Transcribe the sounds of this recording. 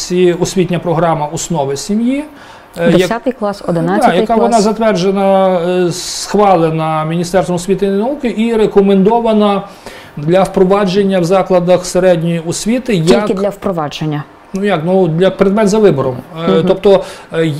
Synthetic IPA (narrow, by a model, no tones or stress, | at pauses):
sʲiɔsʲʋʲit̪ʲnʲɐpɾɔɦɾɑmɐɔsnɔʋɪsʲimji | d̪ejsʲat̪ɪjklˠɑsɔd̪ɪnajɐkaʋɔnnɑzɐt̪ʋɛrd͡ʒenɐ | sxʋɑlˠenɐmʲinʲist̪ɛrst̪ʋɔmɔsʲʋʲit̪ɪnɐukɪʔiɾekɔmend̪ɔʋɐnɐ | d̪lʲɐwpɾɔʋɑd͡ʒenʲːɐwzɑklˠɐd̪ɐxseɾɛdʲnʲjiɔsʲʋʲit̪ɪjɐlkɪdlʲɐwpɾɔʋɑd͡ʒenʲːɐ | nujɐknuɐk̚pɾed̪mɛnzɐʋɪbɔɾɔmt̪ɔp̚t̪ɔ